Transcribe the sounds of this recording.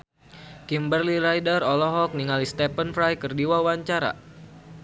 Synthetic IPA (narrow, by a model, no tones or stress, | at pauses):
kimbərliɾajdərɔlɔɦɔk̚niŋalist̪ɛpənfɾajkərdiwawaɲt͡ʃaɾa̰